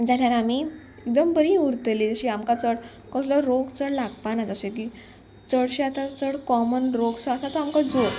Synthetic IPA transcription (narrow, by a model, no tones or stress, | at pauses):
d͡zaljaɾami | ek̚d̪əmbəɾĩuɾt̪əlid͡zəɕiːamkat͡səɽ | kɔslɔɾoɡt͡səɽlaɡpanad͡zəɕeki | t͡səɽɕat̪at͡səɽkɔmənɾoɡsəəsat̪ɔamkad͡zoɾ